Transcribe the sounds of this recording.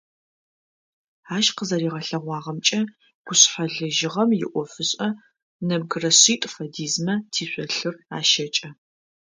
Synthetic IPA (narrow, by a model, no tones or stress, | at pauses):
aːʃqəzɐɾiːʁɐɬɐʁʷɑːʁɐmt͡ʃʼɐ | ɡ̥ʷʊɕħaɮɨʒɪʁɐmjɪ̰ʔʷɔfɨɕʼɐ | nɐb̚ɡɨrɐɕiːtʼfɐdiːzmɐtʰiːɕʷɔɬɨraːʃɐt͡ʃʼɐ